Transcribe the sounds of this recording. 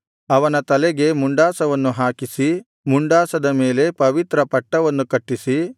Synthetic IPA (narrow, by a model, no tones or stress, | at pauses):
ɐʋɐnɐt̪ɐlɛɡe̞muɳɖaːsɐʋɐnːuɦaːkisi | muɳɖaːsɐd̪ɐme̞ːle̞pɐʋit̪ɾɐpɐʈːɐʋɐnːukɐʈːisi